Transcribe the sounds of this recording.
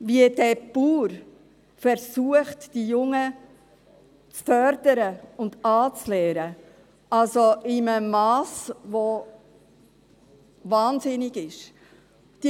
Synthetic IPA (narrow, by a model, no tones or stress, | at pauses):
viəd̥ɛpuːɾ | fɛɾsuəχtd̥ijʊŋə | t͡sfœɾdəɾəʊndɑːt͡slɛːɾə | alsoɪməmɑːsvo | vɑːnzɪnɪɡɪʃ | d̥i